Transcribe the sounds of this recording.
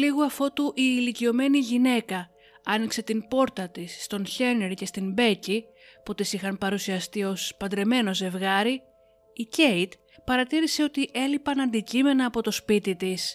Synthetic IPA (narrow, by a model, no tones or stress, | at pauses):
liɣoɐfo̞t̪uʔiːlicio̞me̞niʝine̞kɐ | ɐnikse̞t̪ipo̞ɾt̪ɐt̪isːt̪o̞nçe̞neɾice̞st̪imbe̞ci | put̪isixɐnpɐɾusiɐst̪io̞spɐd̪ɾe̞me̞no̞ze̞vɣɐɾiː | ce̞jt̪ | pɐɾɐt̪iɾise̞o̞t̪iʔe̞lipɐnɐnd̪icime̞nɐːpo̞t̪o̞spit̪it̪is